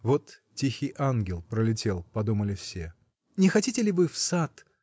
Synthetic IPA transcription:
vot̪tʲixʲɪjʔanɡʲɪlˠpɾəlʲɪtʲe̞lˠpɐd̪uməlʲɪfsʲe | nʲɪxɐtʲitʲɪlʲɪvɨfsat̪

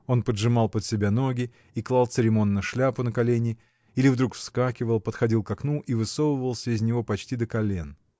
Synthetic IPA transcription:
o̞npədʐɨmɑlˠpət̪sʲɪbʲano̞ɡʲɪ | iklˠɑlˠt̪sɨɾʲɪmo̞nːəʂlʲapʊnəkɐlʲenʲɪ | ilʲɪvd̪ɾukfskakʲɪvəlˠpət̪xɐdʲilˠkɐknuʔivɨso̞vəvəlˠsʲəɪzʲnʲɪvo̞pɐt͡ɕtʲid̪əkɐlʲen

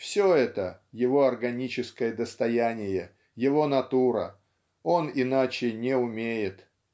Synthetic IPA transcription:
fsʲoɛt̪əjɪvo̞ɐrɡɐnʲit͡ɕɪskəjəd̪əst̪ɐjænʲɪjə | jɪvo̞nɐt̪uɾə̰ | o̞nɪnat͡ɕɪnʲeʊmʲejɪt̪

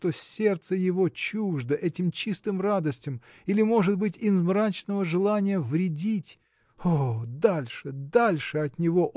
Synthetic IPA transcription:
t̪o̞sʲe̞rt̪səjɪvo̞t͡ɕuʐd̪əʔɛtʲɪmt͡ɕist̪ɨmrad̪əsʲtʲɪmilʲɪmo̞ʐɨt̪̚bɨtʲɪzmrat͡ɕnəvəʐɨlˠanʲɪjəvɾʲɪdʲitʲ | od̪alʲʂɨd̪alʲʂɨɐt̪nʲɪvo̞ʔ

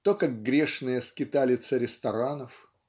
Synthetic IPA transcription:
t̪okaɡ̚ɡɾʲeʂnɨjəskʲɪt̪alʲɪt̪səɾʲɪst̪ɐɾanəf

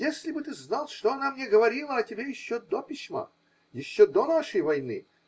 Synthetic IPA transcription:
jesʲlʲɪbɨt̪ɨznalˠʂt̪oɐnamnʲeɡəvɐɾʲilˠəɐtʲɪbʲejɪɕːod̪opʲɪsʲma̰ | jɪɕːod̪onaʂəjvɐjnɨ̰

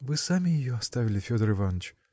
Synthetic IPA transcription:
vɨsamʲɪɪjoast̪avʲɪlʲɪfʲod̪əɾɨvanət͡ʃ

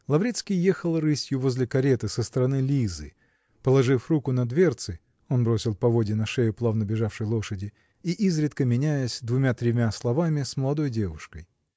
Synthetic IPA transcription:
lˠɐvɾʲit̪skʲijjexəlˠrɨsʲjʊvo̞zʲlʲɪkɐɾʲet̪ɨsəst̪əɾɐnɨlʲizɨ̰ | pəlˠɐʐɨfrukʊnɐd̪vʲe̞rt̪sɨ | o̞nbɾo̞sʲɪlˠpɐvo̞dʲɪnɐʂejʊplˠavnəbʲɪʐafʂəjlˠo̞ʂədʲɪ | iʔizɾʲɪt̪kəmʲɪnʲæjəsʲd̪vʊmʲat̪ɾʲɪmʲaslˠɐvamʲɪsməlˠɐd̪o̞jdʲe̞vʊʂkəj

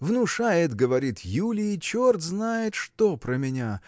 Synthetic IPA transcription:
vnʊʂajɪt̪ɡəvɐɾʲit̪julʲɪt͡ɕort̪znajɪt̪ʂt̪opɾəmʲɪnʲa

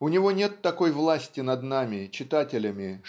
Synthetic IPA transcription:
ʊnʲɪvo̞nʲet̪ːɐko̞jvlˠasʲtʲɪnɐd̪namʲɪt͡ɕɪt̪atʲɪlʲəmʲɪ

